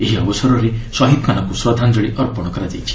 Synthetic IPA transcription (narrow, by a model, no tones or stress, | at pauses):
eɦiɔbɔsɔɾɔɾesɔɦit̪̚kanakuswad̪ʱand͡ʒɔɽiʔɔɾpɔɽ̃ɔkɔɾad͡ʒejt͡ʃʰi̥